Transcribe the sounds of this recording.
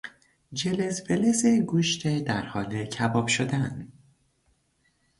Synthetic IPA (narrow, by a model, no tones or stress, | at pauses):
d͡ʒelezbelezeɡuːʃt̪ʰed̪æɾhɒːlecʰæbɒːbʃod̪æn